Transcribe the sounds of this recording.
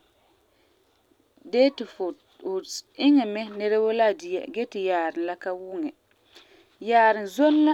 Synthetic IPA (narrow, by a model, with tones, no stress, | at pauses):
dɛː˦tɪ˨fʊ˨ | ɪ˦ŋɛ˨mɛ˦nɛ˦ɾɛ˦wo˦la˦˨dɪ˨jɛ̰˨ɡɛ˦tɪ˨jaː˨ɾɪ˨nla˦ka˦wu˦ŋɛ˨ | jaː˨ɾɪ˨nzo˦n˦la˦